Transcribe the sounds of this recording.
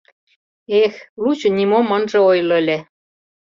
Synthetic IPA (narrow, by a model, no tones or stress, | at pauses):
exlut͡ɕŏnimomɤ̆nʒɤ̆ojlɤ̆elʲe